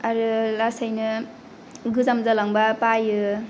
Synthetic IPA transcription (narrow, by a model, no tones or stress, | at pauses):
aɾɯlasajnɯ | ɡɯzamzalaŋbapajɯ